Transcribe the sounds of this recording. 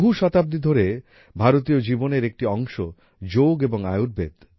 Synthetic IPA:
bʱuʃɔt̪ab̚d̪id̪ʱoɾe | bʱaɾot̪iod͡ʑiboneɾek̚ʈiɔŋʃo | d͡ʑoɡeboŋa̰juɾ̚bḛd̪

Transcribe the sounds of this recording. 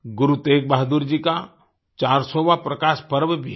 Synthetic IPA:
ɡʊɾut̪eːk̚baɦd̪uɾd͡ʒika | t͡ʃaːɾsoːʋapɾɐkaːʃpɐɾʋbʱi

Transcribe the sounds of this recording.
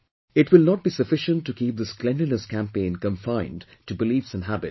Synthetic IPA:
ɪtwɪlˠnɔt̚b̥isɨfɪʃə̃ntːɨkʰip̚d̪əsklɛ̃ndənəskʰæ̃mpẽɪ̃nkə̃ɱfãɪ̃n | tɨbɪliːfsɨ̃nɦæbɪt̚

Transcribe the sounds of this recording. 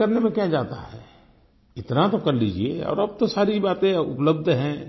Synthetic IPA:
ɐɾnemẽkjad͡ʒaːt̪a̰ɦɛ̰ː | ɪt̪nat̪okɐɾliːd͡ʒieɔ̰ːɾɐb̚t̪osaːɾibaːt̪ẽʊ̰pləb̚d̪ʱɦɛ̃

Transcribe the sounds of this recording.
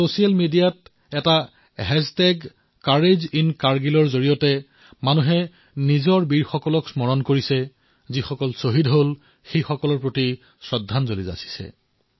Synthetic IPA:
sosialmidijat̚ | ɛta | ɦɛztɛɡ | kaɹezinkaɹɡilɔɹzoɹijɔtɛ | manuɦɛ | nizɔɹbiɹxɔkɔlɔksmɔɹɔnkoɹisɛ | zixɔkɔlsoɦidɦol | xejxɔkɔlɔɹpɹoti | sɹɔdʱːanzoliza̰si̥sɛ̰

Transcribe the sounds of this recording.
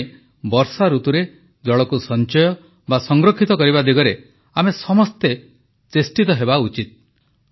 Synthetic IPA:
bɔɾsaɾut̪uɾe | d͡ʒɔɭɔkusɔnt͡ʃɔjɔ | basɔŋɡɾokʰːit̪ɔkɔɾiβad̪iɡɔɾe | amesɔmɔst̪e | t͡ʃesʈit̪ɔɦebaut͡ʃit̪̚

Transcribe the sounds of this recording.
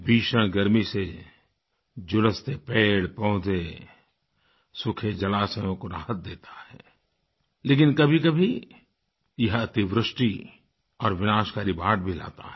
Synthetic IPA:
bʱiːʃəɽ̃ɡəɾmise | d͡ʒʊləst̪epeːɽpɔ̃ɦʊd͡ʒ̪e | sʊkʰed͡ʒɐlaːsəjõkoɾa̰ːɦət̪̚d̪eːt̪ḁɦɛ̰ː | leːk̬ɪnkɐbʱikəbʱi | jɐɦɐt̪iʋɾɪʃʈi | ɔːɾʋɪnaːʃkaːɾibaːɽbʱila̰ːt̪a̰ɛ

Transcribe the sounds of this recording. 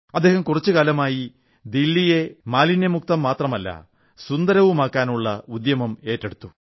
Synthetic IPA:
ɐd̪ːe̞ːhɐmkurɐt͡ɕːukaːlɐmaːji | d̪ilːije̞maːlinemuk̚t̪ɐmːaːt̪rɐmɐlːɐ̰ | sund̪ɐɾɐʋumaːkːaːnuɭːɐud̪jɐmɐme̞ːtːeɽut̪ːu

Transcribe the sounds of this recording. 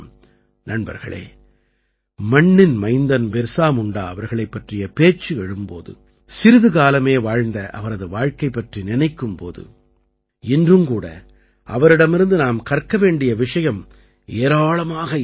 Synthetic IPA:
nɐɳbɐ̰ɾɣɐ̰ɭḛː | mɐɳːɪnmɐɪnd̪ɐnbɛɾsaːmʊɳɖaːɐʋɐɾɣɐɭɐɪpːɐʈrɪjɐpeːt͡ʃːɯɛɻɯmpo̰ːðɯ̰ | sɪɾɯðɯɣaːlɐmeːʋaːɻnd̪ɐʔɐ̰ʋɐɾɐðɯʋaːɻkɐɪpːɐʈrinɪnɐɪkːɯmpo̰ːðɯ̰ | ɪndrɯmkuːɽɐ̰ | ʔɐ̰ʋɐɾɪɽɐmɪɾɯnd̪ɯnaːmkɐrkːɐʋeːɳɖɪjɐʋɪʂɐjɐm | eːɾaːɭɐmaːɣɐ

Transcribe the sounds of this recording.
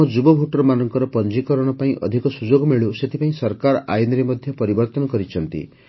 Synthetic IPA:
ɔ̃d͡ʒubɔbʱuʈɔɾmanɔŋkɔɾɔpɔnd͡ʒikɔɾɔɽ̃ɔpaĩʔɔ̰d̪ʱikɔsud͡ʒoɡɔmiɭuset̪ʰipaĩsɔɾkaɾɔʔajɔnɾemɔd̪ʱjɔpɔɾibɔɾt̪ɔnɔkɔɾit͡ʃʰɔn̪t̪ḭ

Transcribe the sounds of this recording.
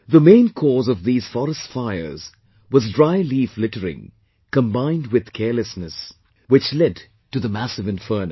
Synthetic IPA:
ðəmẽɪ̃nkʰɔzʌvðiz̥fɔɾəstfaɪə̰˞z̥ | wʌzdɹaɪliflɪɾəɹɪ̰̃ŋ | kə̃mbãɪ̃nd̚wɨð̥kʰɛɹlɨsnɨs | wɨt͡ʃlɛd | tɨðəmæsɨvɨ̃ɱfɜ˞n

